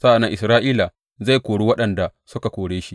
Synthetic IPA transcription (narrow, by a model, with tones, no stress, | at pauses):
sa˦ʔa˨nːɐ˦ʔɪ˨sɾaː˦ʔiː˦la˨ | za˦˨jkʷoː˨ɽu˦wɐ˦ɗɐ˨nda˨sʊ˦ka˨kʷoː˨ɽeː˦ʃi˦